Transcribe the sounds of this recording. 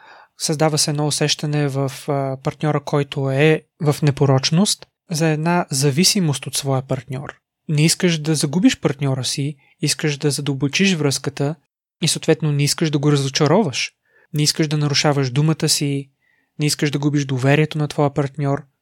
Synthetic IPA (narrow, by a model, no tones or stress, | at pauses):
sɐzd̪avəsɛɛd̪nɔʊsɛʃt̪ɐnɛvəfpɐɾt̪nʲɔɾəkʰɔjt̪ʰʊɛ | vɐfnɛpoɾɔt͡ʃnost̪ | zɐɛd̪nazɐvisimost̪ot̪svɔjəpɐɾt̪nʲɔ̰ɾ | nɛiskəʃd̪ɐzɐɡubiʃpɐɾt̪nʲɔɾəsi | iskəʒd̪ɐzɐd̪əlbot͡ʃiʃvɾɤskət̪ə | isəoːt̪vɛt̪nonɛiskəʃd̪ɐɡoɾɐzot͡ʃɐɾɔvəʃ | nɛiskəʒd̪ɐnɐɾʊʃavəʒd̪umət̪əsi | nɛiskəʒd̪ɐɡubiʒd̪ovɛɾiɛt̪onɐt̪vɔjəpɐɾt̪nʲɔɾ